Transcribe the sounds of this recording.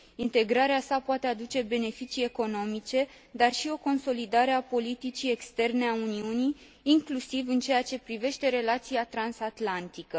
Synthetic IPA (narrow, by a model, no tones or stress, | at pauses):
int̪e̞ɡɾaɾeasapoat̪e̞ad̪ut͡ʃe̞be̞ne̞fit͡ʃie̞ko̞no̞mit͡ʃe̞ | d̪arʃio̞ko̞nso̞lid̪aɾe̞apo̞lit̪it͡ʃie̞kst̪e̞rne̞auniuniː | ŋklusivɨnt͡ʃe̞jat͡ʃe̞pɾive̞ʃt̪e̞ɾe̞lat̪siat̪ɾansat̪lant̪ikə